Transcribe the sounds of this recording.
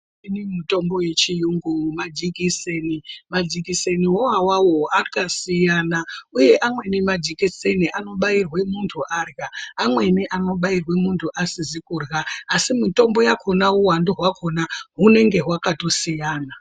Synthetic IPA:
inimuto̞mbo̞je̞t͡ʃijuŋɡumad͡ʒikisenimad͡ʒikiseniwowawawoakasijanauje̞ʔamwe̞nemad͡ʒikiseniʔano̞ɓairwe̞muntʰuʔarɣaːmwe̞neʔano̞ɓairwe̞muntʰuʔasizikuːrɣaːsimito̞mbo̞jakʰo̞nauwando̞ɦwakʰo̞naɦune̞ŋɡe̞ɦwakato̞sijaːna

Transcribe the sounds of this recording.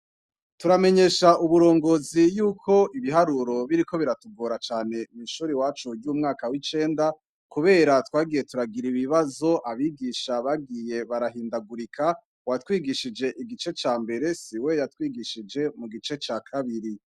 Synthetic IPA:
tuɾame̞ɲe̞ːʃauβuɾo̞ːŋɡo̞ːzijuːkʰo̞iβiɦaɾuɾo̞βiɾiko̞βiɾatuɡo̞ːɾat͡ʃaːne̞miʃuːɾiwaːt͡ʃuɟuːmŋaːkawit͡ʃe̞ːnda | kuβe̞ːɾatwaːɡije̞tuɾaɡiɾiβiβazo̞ʔaβiɡiʃaβaɡije̞βaɾaɦiːndaɡuɾikʰa | watwiːɡiʃid͡ʒe̞ʔiɡit͡ʃe̞t͡ʃaːmbe̞ɾe̞siwe̞jatwiːɡiʃid͡ʒe̞muɡit͡ʃe̞t͡ʃakʰaβiɾi

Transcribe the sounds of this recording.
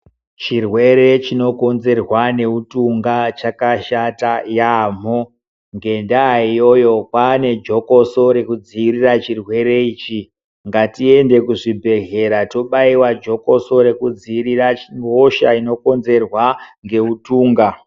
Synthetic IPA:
t͡ʃirwe̞ɾe̞t͡ʃino̞ko̞nze̞rwane̞utuŋɡat͡ʃakaʃatajam̤o | ŋɡe̞ndaːijo̞jo̞kwane̞d͡ʒo̞ko̞so̞ɾe̞kud͡ziːrirat͡ʃirwe̞ɾe̞iːt͡ʃi | ŋɡatie̞nde̞kuʐibʱe̞ɣe̞ɾato̞ɓaiwad͡ʒo̞ko̞so̞ɾe̞kud͡ziːriraŋoʃaino̞ko̞nze̞rwaŋɡe̞utuːŋɡa

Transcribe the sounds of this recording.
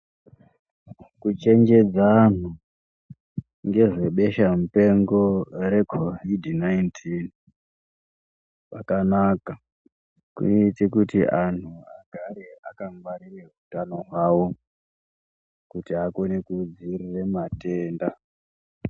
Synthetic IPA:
kut͡ʃe̞ŋd͡ʒe̞d͡zan̤u | ŋɡe̞ʐe̞ɓe̞ʃamupe̞ŋɡo̞ɾe̞kʰovidnaintʰin | pakanaka | kṵnitikutiʔan̤uaɡʱaɾea̰kaŋwarireɦutano̞ɦwawo̞ | kutiakonekud͡zirire̞mate̞ːnda

